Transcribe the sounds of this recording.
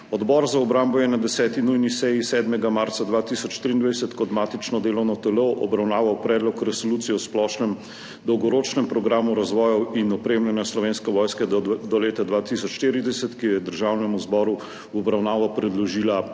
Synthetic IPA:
ɔd̪bɔɾzaɔbɾaːmbɔjɛnad̪ɛsɛːt̪inujnisɛjisɛːd̪mɛɡamaɾt̪sad̪ʋaːt̪isɔt͡ʃʃt̪ɾiːnd̪ʋajsɛt̪kɔt̪maːt̪it͡ʃnɔd̪eːlɔwnɔt̪ɛlɔwʔɔ̰bɾawnaːʋawpɾɛːd̪lɔkɾɛsɔluːt̪sijɛwsplɔʃnɛm | d̪ɔwɡɔɾoːt͡ʃnɛmpɾɔɡɾaːmuɾazʋɔːjɔwinɔpɾeːmlɛnjaslɔʋeːnskɛʋɔːjskɛd̪ɔleːt̪ad̪ʋaːt̪isɔt͡ʃʃt̪eːɾid̪ɛsɛt̪kijjɛd̪əɾʒaːwnɛmuzbɔːɾu | wɔbɾawnaːʋapɾɛd̪lɔʒiːla

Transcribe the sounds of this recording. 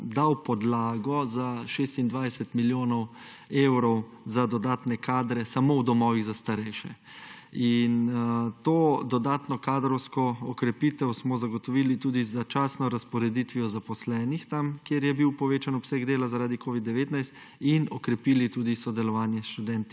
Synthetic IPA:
d̪awpɔd̪laːɡɔzaʃest̪ind̪ʋajsɛt̪miljoːnɔw | eːwɾɔw | zad̪ɔd̪aːt̪nɛkaːd̪ɾɛsamowd̪ɔmɔːʋiɣzast̪aɾɛjʃɛ̰ | int̪oːd̪ɔd̪aːt̪nɔkaːd̪ɾɔwskɔɔkɾɛpiːt̪ɛwsmɔzaɡɔt̪ɔʋiːlit̪uːd̪izat͡ʃaːsnɔɾaspɔɾɛd̪it̪ʋiɔzapɔslɛːnixt̪amkjeɾjɛbiwpɔʋeːt͡ʃanɔpsɛɡd̪eːlazaɾaːd̪ikoːʋid̪ːɛʋeːt̪najst̪ | inɔkɾɛpiːlit̪uːd̪isɔd̪ɛlɔʋaːnjɛsʃt̪ud̪ɛnt̪i̥

